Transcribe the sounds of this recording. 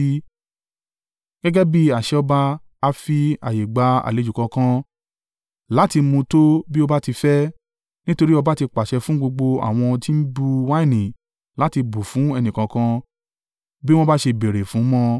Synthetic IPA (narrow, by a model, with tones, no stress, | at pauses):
ɡ̥ɛ˦ɡɛ˦bi˦a˨ʃɛ˨˦ɔ˧ba˧ | a˧fi˧a̰˨je˨ɡ͡ba˧a̰˨le˨˦d͡ʒu˨kɔ̃˧kã˦ | la˨˦ti˧mũ˧to˦bi˦o˧ba˦ti˧fɛ˦ | nĩ˦to˧ɾi˦ɔ˧ba˦ti˧k͡pa˨ʃɛ˧fũ˨˦ɡ͡bo˧ɡ͡bo˧a̰˨w̃ɔ̃˧ti˦n̩˦bu˧wa˦i˦˨nĩ˨ | la˨˦ti˧bu˨fũ˨˦ɛ˧nĩ˨kã˧kã˧ | bi˦w̃ɔ̃˦ba˦ʃe˧be˨ɾe˨fũ˨˦mɔ̃˦